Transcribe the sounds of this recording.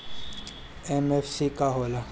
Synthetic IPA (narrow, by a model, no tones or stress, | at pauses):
emefsikaɦola